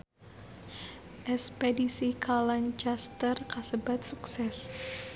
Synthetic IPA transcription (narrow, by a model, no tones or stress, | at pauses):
ʔɛspedisikʰalant͡ʃast̪ərkasəbat̪̚suksɛs